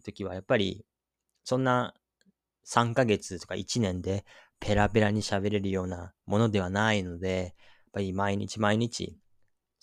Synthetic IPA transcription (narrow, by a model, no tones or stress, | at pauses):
t̪o̞kʲiβ̞ajapːaɾʲḭ | sõ̞nːa | sãŋkaɡe̞t͡sɨt̪o̞ka̰it͡ɕinẽ̞nd̪e̞pʰe̞ɾape̞ɾaɲ̟iɕabe̞ɾe̞ɾɯ̟jo̞ːnamo̞no̞d̪e̞β̞anaino̞d̪e̞ | japːaɾʲimaiɲ̟ḭt͡ɕimaiɲ̟it͡ɕḭ